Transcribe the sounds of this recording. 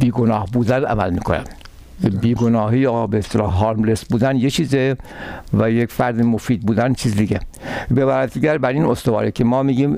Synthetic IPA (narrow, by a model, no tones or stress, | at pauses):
biːɡonɒːhbuːd̪ænæ̰mæ̰lmiːkʰonæ̰m | biːɡonɒːɦiːjɒːbeest̪elɒ̰ːhɦɑːɾmlesbuːd̪ænjet͡ʃʰiːzevæjekfæɾd̪emofiːd̪̚buːd̪ænt͡ʃʰiːzd̪iɟʲebebæɾæt̪ʰiɟæɾbæɾiːnost̪ovɒ̰ːɾekʰemɒːmiːɡiːm